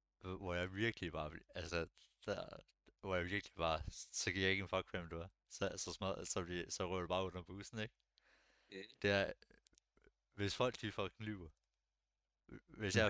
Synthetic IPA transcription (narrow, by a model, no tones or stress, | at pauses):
ʋɒjɑ̈ɪʋiɐɡ̥lib̥ɑ̈ːʋælsəd̥æ | ʋɒjaɪʋiɐɡ̥lib̥ɑ̈ːsɒ̽ɡ̥ʰiɐjɑ̈e̝ɡ̥ənfɒ̽ɡ̥ʰʋemd̥uæ | sɒsɒ̽smæsɒ̽d̥isɒ̽ʁœ̰ːɐɾ̥ub̥ɑ̈ːon̰ɐb̥uːsn̩eɡ̥ | d̥e̝æɐ | ʋe̝sfɒ̽l̰ɡ̥̚d̥ifɒɡ̥nlyʊɐ | ʋe̝sjɑ̈ɪ